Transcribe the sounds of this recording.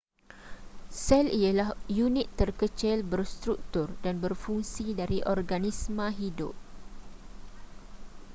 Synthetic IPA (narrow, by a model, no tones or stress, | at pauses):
sɛlialahjunit̪ːərkət͡ʃɪlbərst̪ɾuk̚t̪ʊrdanbərfuŋsidaɾiʔɔrɡanismãɦidʊ̰p̚